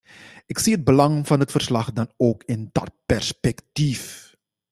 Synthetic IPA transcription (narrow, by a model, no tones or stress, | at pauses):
ʔɪksiːəd̚bəlɑŋv̥ɑnɦətfərslɑχdɑnoːkɪndɑ̰t̚pɛrspɛktif